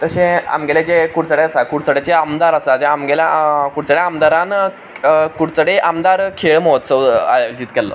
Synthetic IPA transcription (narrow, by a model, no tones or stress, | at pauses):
t̪əɕẽa̰mɡeled͡ʑekuɽt͡səɽeasakuɽt͡səɽet͡ɕeamd̪aɾəsad͡ʑeamɡelakuɽt͡səɽeamd̪aɾãn | kuɽt͡səɽeʔamd̪aɾkʰeɭmot̪səa̰d͡ʑiːt̪kɛlːə̰